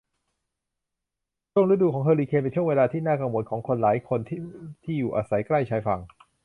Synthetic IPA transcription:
t͡ɕʰu˥˩ŋɾɯ˦˥˩duː˧kʰɔː˩˦ŋɦʰɤː˧liː˧˩kʰeː˧pe˧nt͡ɕʰu˥˩əŋweː˧laː˧t̪ʰiː˥˩naː˥˩ka˧mwo˨˩t̪̚kʰɔː˩˦ŋkʰo˧nlaː˩˦jkʰo˧nt̪ʰːt̪ʰiː˥˩juː˨˩ʔaː˧sa˩˦jkla˥˩jt͡ɕʰaː˧jfa˧ŋ

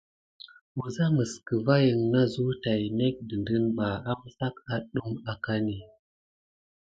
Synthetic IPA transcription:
u˨za˦mə˨skə˨va˦jə˨ŋna˦zu˦ta˨jne˦k̚də˨ndə˦nɓa˨a˦m˦sa˦ka˨ɗu˦ma˨ka˦ni˨

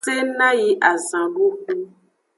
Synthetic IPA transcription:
e˦nã˦ji˨ʔa˨zã˨ɖo˦ku˦

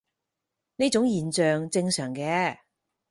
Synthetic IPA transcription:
ni˥t͡sʊ˨˥ŋjiː˨nt͡ʃœː˨ŋt͡sɪ˧ŋsœː˨˩ŋkɛː˨˧

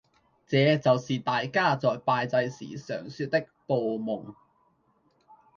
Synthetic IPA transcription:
t͡sɛː˨˧t͡sɐ˨wsiː˨˩t̪aː˨jkaː˥t͡sɔː˨jpaː˧jt͡sɐ˧jsḭː˨˥sœ̰ː˨ŋsyː˧t̚t̪ɪ˥k̚po˨˧wmʊ˨˩ŋ

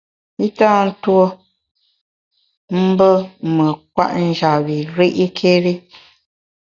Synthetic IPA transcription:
i˦ta˦˨n̩˦two˦ | m̩˦bə˦mə˨k̚wa̰˦ʔn̩˦d͡ʒa˨wi˨ɾe˦ʔi˦kʰe˦ɾi˦

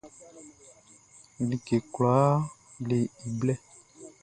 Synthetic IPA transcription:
li˨ke˨klaː˨˦ | le˨i˨blɛ˦˨

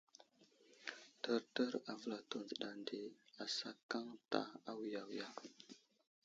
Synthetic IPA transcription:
tə˦ɾtə˦ɾa˨və˦la˨to˨nd͡zə˨ɗa˨nde˨a˨sa˦ka˦ŋta̰˨a˦wi˨ja˨wi˨ja˦

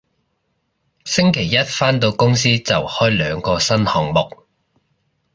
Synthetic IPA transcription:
sɪ˥ŋkʰe˨˩jːɐ˥t̚faː˥nt̪o˨˧wkʊ˥ŋsiː˥t͡sɐ˨whɔː˥jlœː˨˧ŋkɔː˧sɐ˥nhɔː˨ŋmʊ˨k̚

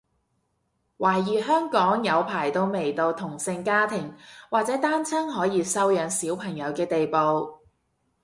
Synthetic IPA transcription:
waː˨˩jjiː˨˩ɦœː˥ŋkɔː˨˥ŋjɐ˨˧wpʰaː˨˩jt̪o˧wme˨˩jt̪o˨˧wt̪ʰʊ˨˩ŋsɪ˧ŋkaː˥t̪ʰɪ˨˩ŋwaː˨t̚t͡sɛː˨˥t̪aː˥nt͡sʰɐ˥ŋɦɔː˨˥jiː˨˧sɐ˥wjœː˨˧ŋsiː˨˥wpʰɐ˨˩ŋjɐ˨˧wkɛː˧t̪e˨jpo˨˧w

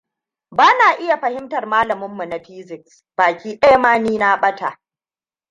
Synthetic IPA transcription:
baː˦naː˨ʔɪ˦ja˨ɸɐ˨hɪ˦mtɐ˨rmaː˦lɐ˨mʊ˦mːu˨na˨ɸi˦zɪ˨ks | baː˨kʲiː˦ɗɛ˦maː˦niː˦na˦ɓɐ˦ta˨ʔ

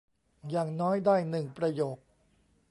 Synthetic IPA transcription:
jaː˨˩ŋnɔː˦˥jdaː˥˩jnɯ˨˩ŋpɾa˧joː˨˩k̚

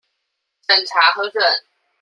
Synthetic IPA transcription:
ʂə˨˩nʈ͡ʂʰa˧˥xɤ˧˥ʈ͡ʂwə˨˩˦n

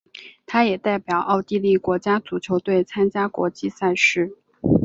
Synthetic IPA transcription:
t̪ʰa˥jɛ˨˩t̪a˥˩ɪpjɑ˨˩˦ʊʔɑ˥˧ʊt̪i˥˧li˥˩kwɔ˧˥t͡ɕja˥t͡su˨˩t͡ɕʰjo˧˥ʊt̪we˥˩ɪt͡sʰa˥nt͡ɕja˥kwɔ̰˧˥t͡ɕi˥sa˥˧ɪʂɻ̩˥˩

